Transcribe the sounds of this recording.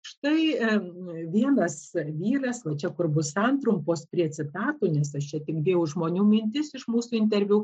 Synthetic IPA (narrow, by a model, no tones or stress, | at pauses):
ʃt̪ɐɪ | ʋʲiɛnɐsʋʲiːrɐsʋɐt͡ʃʲɛkʊrbʊsɐnt̪rʊmpoːspʲrʲiɛt͡sʲɪt̪ɑːt̪oːnʲɛsɐʃt͡ʃʲɛt̪ʲɪɡd̪ʲeːjʊʒmoːnʲuːmʲɪnʲt̪ʲɪsɪʃmuːsuːɪnʲt̪ʲɛɾʲʋʲu